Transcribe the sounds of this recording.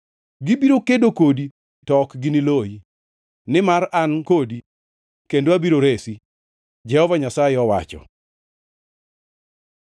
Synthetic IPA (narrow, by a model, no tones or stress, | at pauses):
ɡɪbiɾokedokodi | tɔkɡɪnɪloji | nɪmaɾankodi | kendoabiɾoɾesi | d͡ʒɛhɔvaɲasajɪɔwa̰t͡ʃɔ̰